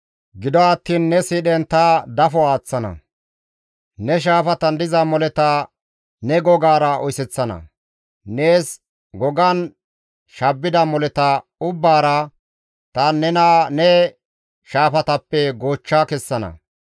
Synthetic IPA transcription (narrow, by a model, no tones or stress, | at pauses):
ɡɪd̪ɔɐt̪ːiːnːɛsɪɗɛnt̪ɐd̪ɐfɔaːt͡sːɐnɐ̰ | nɛʃ̬aːfɐt̪ɐnd̪ɪzɐmɔlɛt̪ɐ | nɛɡɔɡaːɾɐʔɔjsɛt͡sːɐnɐ̰ | ne̞ːs | ɡɔɡɐn | ʃɐbːɪd̪ɐmɔlɛt̪ɐʊbːaːɾɐ | t̪ɐnɛnaːnɛ | ʃaːfɐt̪ɐpːɛɡoːt͡ʃːakɛsːɐnɐ̰